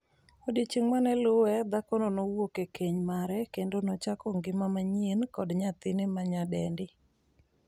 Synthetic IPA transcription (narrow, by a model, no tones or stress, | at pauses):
odit͡ʃiŋmanɛlʊwɛd̪akɔnɔnɔwokekʰeɲmaɾɛkendonɔt͡ʃakɔŋɡɪmamaɲienkɔdɲat̪ɪnɪmaɲadɛndɪ